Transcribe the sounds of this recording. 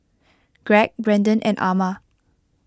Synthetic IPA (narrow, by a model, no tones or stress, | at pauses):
ɡ̥ɹɛk̚bɹɛ̃ndə̃nʔɛ̰̃nʔamə